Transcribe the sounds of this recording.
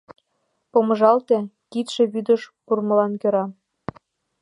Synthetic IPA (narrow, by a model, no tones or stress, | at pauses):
pomɤ̆ʒɑlt̪ĕ | kit̪ʃĕβyd̪ə̆ʃpurmɤ̆lɑnkø̆ɾɑ